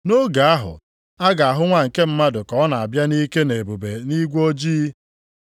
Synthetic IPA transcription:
no˦ɡa˨a˦ɦʊ̰˨ | a˦ɡa˨a˨ɦʊ˦ŋʷa˦ŋ̩˨ke˦m̩˦ma˦dʊ˨kɔ˨˦na˨a˨bja˦ni˦ke˦ne˨bu˨be˨ni˦ɡʷo˦d͡ʒiː˦

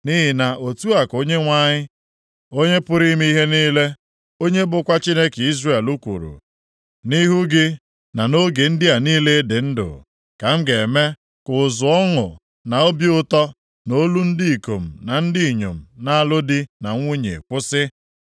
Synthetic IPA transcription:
ni˦ɦɪ˨na˨o˨tu˦a˨ko˦ɲe˦ŋʷa˦ɲɪ˦ | o˦ɲe˦pʊ˦ɾi˦m˦i˦ɦe˦niː˦le˦ | o˦ɲe˦bʊ˦kʷa˦t͡ʃi˦ne˦ke˨i˦zre˦˨e˨lu˦kʷṵ˨ɾṵ˨ | ni˦ɦu˦ɡɪ˦ | na˨no˦ɡe˨n̩˦dɪ˦a˨niː˦le˦dɪ˨n̩˦dʊ̰˨ | ka˨m̩˦ɡe˨me˦ | kʊ˨zʊ˨ɔ˦ŋʊ̰˨ | na˨o˦bi˦ʊ˦tɔ˦ | no˦lu˦n̩˦dɪ˦i˨ko˨m̩˨na˨n̩˦di˦i˨ɲo̰˨m̩˨na˦a˨lʊ˦dɪ˦na˨ŋʷu˦ɲḛ˨kʷʊ˦sɪ˦

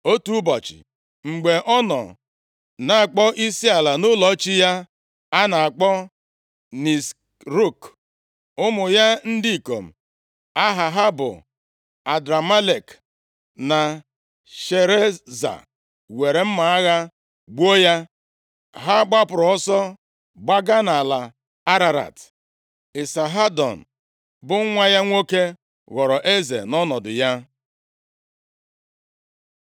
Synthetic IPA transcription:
o˦tu˦bɔ˨t͡ʃɪ̰˨ | ŋ͡m̩˨ɡ͡be˨ʔɔ˦nɔ̰˨ | na˨a˨k͡pɔ˦ʔi˦si˦a˨la˨nʊ˦lɔ˨˦t͡ʃi˦ja˦ | a˦na˨a˨k͡pɔ˦ | ni˨s | ɾu˦˨k | ʊ˦mʊ˨ja˦n̩˦dɪ˦i˨ko̰˨m̩˨ | a˦ɦa˨ɦa˦bʊ̰˨ | a˨dɾa˨ma˦le˨k | na˨ | ʃe˨ɾe˦za̰˨ | we˨ɾe˨m̩˦ma˨a˦ɣa˦ | ɡ͡bo˦ja˦ | ɦa˦ɡ͡ba˦pʊ˨ɾɔ˨ɔ˦sɔ˦ | ɡ͡ba˦ɡa˦na˨la˨ | a˦ɾa˨ɾa̰˨t | ɪ˨sa˨ɦa˦dɔ̰˨n̩˨ | bʊ˦ŋ̩˦ŋʷa˦ja˦ŋʷo˦ke˦ | ɣɔ˨ɾɔ˨ʔe˦zḛ˨nɔ˦nɔ˨dʊ˨ja˦

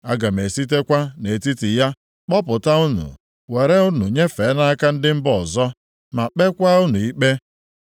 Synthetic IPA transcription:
a˦ɡa˨m˨e˨si˦t̬e˦kʷa˦ne˨ti˦ti˨ja˦ | k͡pɔ˦pʊ˨ta˦ʊ˦nṵ˨ | we˨ɾe˦ʊ˦nu˨ɲe˦fe˨˦na˦ka˦n̩˦dɪ˦m̩˦bɔ˨zɔ˦ | ma˨k͡pe˦kʷa˦ʊ˦nu˨i˦k͡pe˦

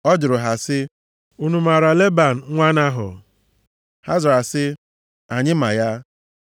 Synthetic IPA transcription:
ɔ˦d͡ʒʊ˨ɾʊ˨ɦa˨sɪ˦ | u˦nu˨ma˨ɾa˨le˦ba˨n̩˨ŋʷa˦na˦ɦʊ̰˨ | ha˦zʊ˨ɾa˨sɪ˦ | a˨ɲɪ˦ma˨ja˦

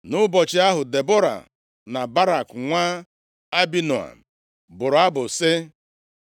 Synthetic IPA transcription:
nʊ˦bɔ˨t͡ʃɪ˨a˦ɦʊ˨de˨bo˦ɾa̰˨ | na˨ba˦ɾa˨kŋʷaː˦ | a˦bi˦no˨a̰˨ | bʊ˨ɾʊ˨a˦bʊ˨sɪ˦

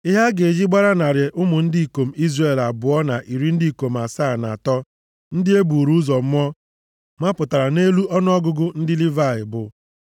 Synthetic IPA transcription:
ɪ˦ɦa˦ɡe˨d͡ʒi˦ɡ͡ba˦ɾa˦na˨ɾɪ˨ʔʊ˦mʊ˨n̩˦di˦i˨ko˨m̩˦i˦zre˦˨la˨bʊ˨ɔ˦na˨ʔi˨ɾi˦n̩˦di˦i˨ko˨m̩˨a˨sa˦˨na̰˨tɔ˦ | n̩˦dɪ˦e˦bu˨ɾu˦zɔ˨m̩˦mɔ˦ | ma˦pʊ˨ta˨ɾa˨ne˦lu˦ɔ˦n˦ɔ˦ɡʊ˦ɡʊ˦n̩˦dɪ˦li˦va˦˨ɪ˨bʊ˨

